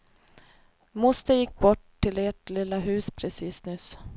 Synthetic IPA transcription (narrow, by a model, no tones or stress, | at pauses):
mʊst̪əjɪkːbɔʈ | tʰːɪleːʈlɪlːaɦʉ̟ːspʰɾɛsiːsnʏs